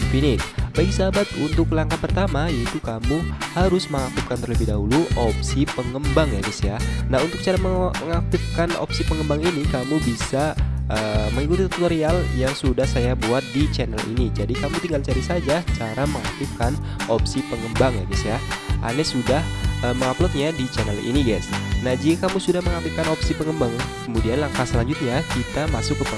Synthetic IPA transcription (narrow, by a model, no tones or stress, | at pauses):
finɪk̚baiksabat̪unt̪ʊklaŋkapərt̪amajait̪ukamuhaɾʊsməŋak̚t̪ɪfkant̪ərləbɪhdaɦuluʔɔpsipəŋəmbaŋjaɡisjanaɦunt̪ʊk̚t͡ʃaɾaməŋak̚t̪ɪfkanɔ̰psipəŋəmbaŋinikamubisaʔəməŋikut̪it̪ut̪t̪oɾialjaŋsudahsajabuat̪̚dit͡ʃɛnəlḭnid͡ʒadikamut̪iŋɡalt͡ʃaɾisad͡ʒat͡ʃaɾaməŋa̰k̚t̪ɪfkan | opsipəŋəmbaŋjaɡisjaa̰nɛsudahəməŋaplɔt̪̚ɲadit͡ʃɛnəlʔḭniɡasnahd͡ʒikakamusudahməŋak̚t̪ifkanopsipəŋəmbaŋkəmudianlaŋkahsəlaɲd͡ʒʊt̪̚ɲakit̪amasʊkːəpə